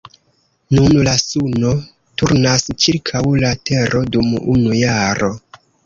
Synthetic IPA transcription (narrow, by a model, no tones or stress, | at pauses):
nunlasuno̞ | tuɾnast͡ʃiɾkʰawlate̞ɾʔo̞dumṵnujaɾo̞